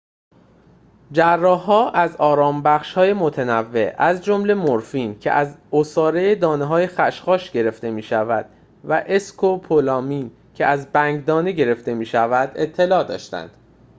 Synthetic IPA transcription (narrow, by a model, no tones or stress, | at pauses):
d͡ʒærːɒːɦɒːʔæzɒːɾɒːmbæχʃhɒːjemo̞t̪ʰenævːe̞̰ʔæzd͡ʒomle̞moɾfiːncʰe̞̰ʔæzosɒːɾejed̪ɒːneɦɒːje̞xæʃχɒːʃɟe̞ɾe̞ft̪e̞miːʃævæd̪̥ | væʔeskʰopʰolɒːmiːn | cʰe̞ʔæzbæŋɡd̪ɒːne̞ɟe̞ɾe̞ft̪e̞miːʃævæd̪e̞t̪ʰːe̞lɒːd̪ɒ̰ːʃt̪æ̰nd̪̥